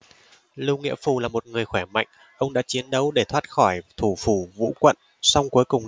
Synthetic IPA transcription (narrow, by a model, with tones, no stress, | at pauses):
lu˧ŋḭ˧˥əfu˨˩laː˨˩mo˨˩t̚ŋɨ˨˩əjxwɛː˧˩ma̰˧˨jŋ̟ | ʔə˧wŋ͡mɗa̰ː˧˥t͡ɕi˨˦ənɗə˨˦wɗe˧˩t̪ʰwaː˦˥t̚xɔ˧˩jt̪ʰu˧˩fu˧˩vṵ˧˥kwə̰˧˨n | sɔ˧wŋ͡mku˨˦jkʊ˨˩ŋ͡m